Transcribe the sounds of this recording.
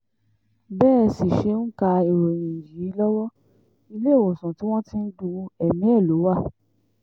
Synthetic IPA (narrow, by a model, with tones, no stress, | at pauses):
bɛː˦˨si˨ʃe˧˦n̩˦ka˧i˨ɾo˨jĩ˨ji˨˦lɔ˦wɔ˦ | i˧le˦˨wɔ˨sũ˨ti˨˦w̃ɔ̃˦tĩ˦n̩˦du˧ɛ˨mĩ˨˦ɛ˦˨lo˨˦wa˦˨